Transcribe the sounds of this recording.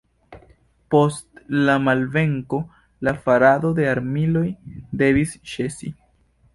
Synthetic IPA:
po̞stlamalve̞ŋko̞ | lafaɾado̞de̞aɾmilo̞jde̞visʃe̞sḭ

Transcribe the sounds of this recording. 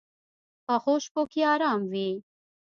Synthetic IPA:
pəxoʃpokiɑːɾɑːmwi

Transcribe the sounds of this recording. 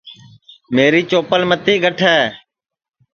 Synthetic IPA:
meːɾiːt͡ʃoːpəlmət̪iːɡʱəʈʰɛː

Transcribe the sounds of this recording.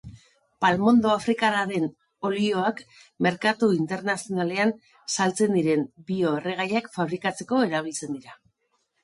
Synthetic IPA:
palmo̞nd̪o̞afɾikaɾaɾe̞n | o̞lio̞ak | me̞ɾkat̪uint̪e̞ɾnasio̞nale̞an | salt͡se̞nd̪iɾe̞mbio̞ereɣ̞ajakfaβ̞ɾikat͡se̞ko̞e̞ɾaβ̞ilt͡se̞nd̪iɾa

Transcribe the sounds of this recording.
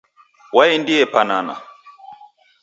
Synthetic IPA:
waɛndiɛpanana̰

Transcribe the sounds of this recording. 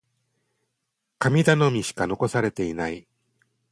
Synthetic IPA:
kamʲid̪ano̞mʲiɕi̥kano̞ko̞saɾe̞t̪e̞inai

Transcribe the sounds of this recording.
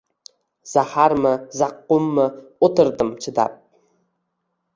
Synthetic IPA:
z̥ahaɾmɪzaqːʊmːɪot̪ɨɾd̪ɪmt͡ʃʰɪd̪a̰p̚

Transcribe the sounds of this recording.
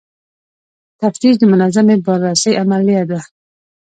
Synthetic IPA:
t̪ʰaft̪iʃd̪əmʊnazamebɔɾasajʔamaliad̪a

